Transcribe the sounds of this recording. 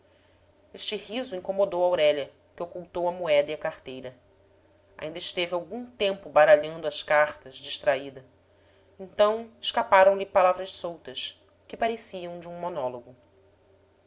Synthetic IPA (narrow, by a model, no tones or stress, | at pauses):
eʃt͡ʃɪhizʊĩŋkomod̪owawɾɛʎɐ | kɪokuwt̪owɐmuɛd̪ɐiɐkaχt̪ejɾɐ | a̰ĩnd̪ɐɪʃt̪evɪawɡũt̪ẽmpʊbaɾaʎɐ̃nd̪ʊɐʃkaχt̪ɐzd͡ʒiʃt̪ɾaid̪ɐ | ẽnt̪ɐ̃w̃ɪʃkapaɾɐ̃w̃lɪpalavɾɐʃsowt̪ɐʃ | kɪpaɾesiɐ̃w̃d͡ʒɪũmonɔloɡʊ